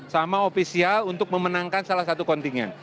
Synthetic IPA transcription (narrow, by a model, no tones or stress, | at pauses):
samaofisialunt̪ʊk̚məmənaŋkansalahsat̪ukɔnt̪iŋɛ̰n